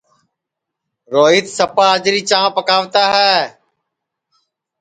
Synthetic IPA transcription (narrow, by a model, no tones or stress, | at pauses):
ɾoːiːt̪səpaːɦəd͡ʒɾiːt͡ʃãːpəkaːʋt̪aːɦɛː